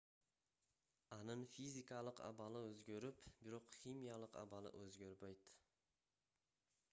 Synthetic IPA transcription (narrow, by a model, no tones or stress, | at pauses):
ɑnɨnfizʲikalˠɪqʰa̰balɪɵzɡʲeɾɪpbɪɾoqχʲimijalˠɪqa̰balˠɪ̰ʔɵzɡʲɵɾbajt̪